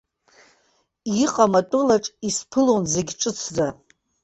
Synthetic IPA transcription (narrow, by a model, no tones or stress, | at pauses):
iqʼamatʼʊlaʈ͡ʂʼispʰɨlonze̞ɡʲʈ͡ʂʼɨt͡sʰza